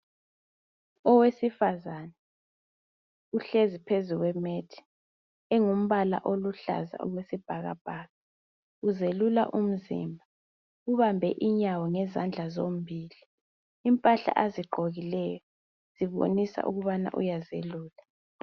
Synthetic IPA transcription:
ɔwesifazanɛ | uɬezipʰezuɣwɛmetʰi̥ | ɛŋum̩βala̰ʔoluɬa̰za̰ʔṵɣwesib̥ʱaɣa̰b̥ʱaːɣa | uzelula̰ʔum̩zḭmbʱa | uβambʱɛʔiɲawɔŋɛzand͡ɮʱazom̩bʱiːliː | mpʼaɬa̰ʔaziɡ͡ǃʱoɣilɛjɔ | z̥iβo̰nisa̰ʔṵɣuβana̰ʔṵjazeluːla

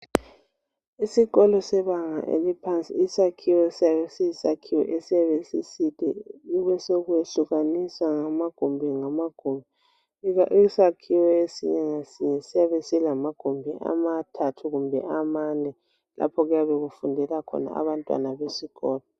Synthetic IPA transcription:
isiɣɔlɔsɛβaŋa̰ʔḛlipʰant͡sʼiːsakʰiwɛsijaβesiisakʰiwɛ̰ʔesijaβesisid̥ʱʼɛ̰uβɛsoɣueɬuɣaniswaŋamaɡ̥ʱumbʱiŋamaɡ̥ʱumbʱi | aʔisakʰiwɛesiɲɛŋasiɲɛsijaβesilamaɡ̥ʱoumbʱiʔa̰matʰatʰuɣumbʱɛ̰ʔamanɛ | lʔa̰pʰɔɣujaβɛɣufundʱɛlakʰɔ̰na̰a̰βantʼwa̰naβesiɣɔːlɔ

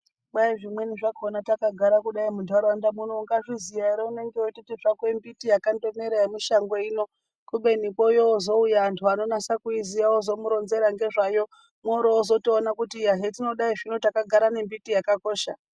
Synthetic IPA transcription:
ɓaiʐimwe̞niʐaɡʱonatakaɡʱaɾakuɗaimudʱaɾoandamunoːŋɡaʐizijaiɾeune̞ŋɡeotitiʐakwembitijakando̞meɾajemiʃaŋɡoino̞ | kuɓe̞nikojoːzo̞ujaːntʰuano̞nasakuizijaozo̞muɾo̞nze̞ɾaŋɡe̞ʐajo̞ | moɾoːzo̞toːnakutijaɦetino̞ɗaiʐinotakaɡʱaɾanembitijakako̞ːʃa̰

